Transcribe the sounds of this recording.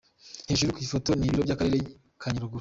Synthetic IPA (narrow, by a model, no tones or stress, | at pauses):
heːʃ̬uɾikuiifo̞to̞niβiɾobɟaːkaɾeɾe | kʰaɲuɾuɡuɾ